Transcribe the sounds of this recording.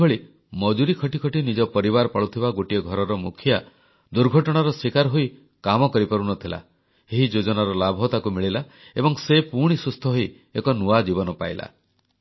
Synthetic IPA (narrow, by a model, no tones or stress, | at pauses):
oɭi | mɔd͡ʒuɾikʰɔʈikʰɔʈinid͡ʒɔpɔɾiβaɾpaɭut̪ʰibaɡoʈiɔɡʱɔɾɔɾɔmukʰja | d̪uɾɡʱɔʈɔɽ̃aɾɔsikaɾɦoi | kamɔkɔɾipɔɾunɔt̪ʰila̰ | eɦid͡ʒod͡ʒɔnaɾɔlabʱɔt̪akumiɭila | ḛbɔŋsepuɽ̃isust̪ʰɔɦoi | ekɔnuad͡ʒibɔnɔpa̰jla̰